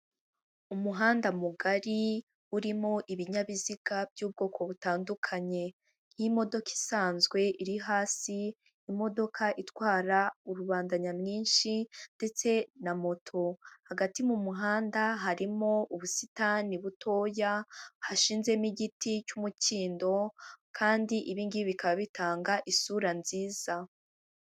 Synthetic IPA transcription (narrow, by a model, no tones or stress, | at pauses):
umuɦaːndamuɡaɾi | uɾimoʔiβiɲaβiziɡ̥abjuːb̚ɡo̞ːkʰo̞βutaːndukʰaɲe̞ | n̥himo̞do̞ki̥saːnzɡwe̞ʔiɾiɦaːsiː | mo̞do̞kʰaʔitwaːɾauɾuβaːndaɲamŋiːnʃinde̞t͡se̞namo̞tʰo̞haɡatimumuɦaːndaɦaɾimo̞uβusitaniβutʰo̞ːjahaʃiːnze̞miɟiticumuciːndo̞kʰaːndiʔiβiːŋɡiβikaβaβitaːŋɡaʔisuɾanziːz̥a